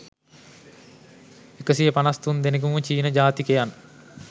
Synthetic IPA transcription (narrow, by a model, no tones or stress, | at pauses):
ekːɐsijɐpɐnɐst̪und̪enɐk̬umut͡ʃiːnɐd͡ʒaːt̪ikejan